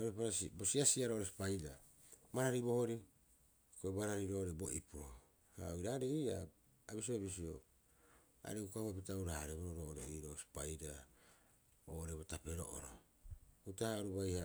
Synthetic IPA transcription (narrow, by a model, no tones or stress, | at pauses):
oɾepaɾasibosiasiaɾoʔoɾesi̥pajɾa | maɾaɾibo̞hoɾi | koemaɾaɾiɾo̞ːoɾebo̞ʔipu | ha̰oiɾaɾeia | abis̬iobis̬io̰ | a̰ɾekukahuap̬itauɾahaɾeboɾoɾo̞ːʔoɾeiɾo̞ːsi̥pajɾa | oːoɾebotape̞ɾo̰ʔo̰ɾo̰ | utahaɾuβajha